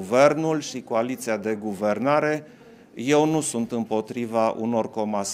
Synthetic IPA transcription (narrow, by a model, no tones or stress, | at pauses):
ve̞rnulʃikoalit̪siad̪e̞ɡuve̞rnaɾe̞ | je̞wnusunt̪ɨmpo̞t̪ɾivaʔṵno̞rko̞mas